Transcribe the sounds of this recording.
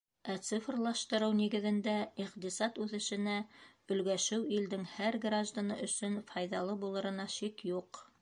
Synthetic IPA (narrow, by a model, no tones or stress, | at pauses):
æt̪sifrlˠɑʃt̪ɤ̆ɾɤwniɡɘ̆ðɘ̆nd̪æiqt̪isɑt̪ʉðɘ̆ʃɘ̆næɵ̆lɡæʃɘwild̪ɘŋhæɾɡraʒd̪anɤʔɵ̆sɵnfɑjðɑlˠɤbulˠɤ̆ɾɤ̆nɑʃikjuq